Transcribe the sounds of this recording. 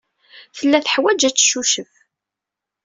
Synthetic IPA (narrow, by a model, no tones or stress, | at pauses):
θəlːæθəħwæd͡ʒæt͡sːʃuʃəf